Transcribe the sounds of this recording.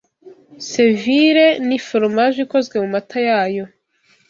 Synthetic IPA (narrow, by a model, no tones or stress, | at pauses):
seviɾenifoɾmaʒiko̞zɡwe̞mumatʰajaːjo̞